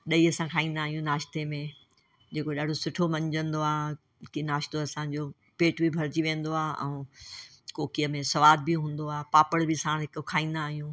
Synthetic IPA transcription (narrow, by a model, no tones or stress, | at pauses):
ɗɐiɐsãkʰaːĩːnd̪aːɦijũnaːʃt̪emẽ | d͡ʑeːkoɗaːɖʱosʊʈʰomɐ̃ɲd͡ʑə̃nd̪oaːɦ | kinaːʃt̪oɐsãːɲd͡ʑoː | peːʈbʱibʱɐɾd͡ʑiʋẽːnd̪oaːɦʔɛ̰̃ː | koːkijəmẽsɐʋaːd̪̚bɪɦũːn̆d̪oaːpaːpəɽbɪsãːɽ̃ɦɪkkʰaːĩːn̆d̪aːɦijũː